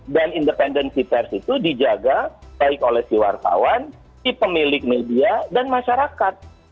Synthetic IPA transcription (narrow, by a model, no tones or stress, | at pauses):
danindəpɛndənsipɛrsit̪udid͡ʒaɡabaɪkolɛhsiwa̰rt̪a̰wan | dipəmilɪk̚mediadanmaʃaɾakat̪̚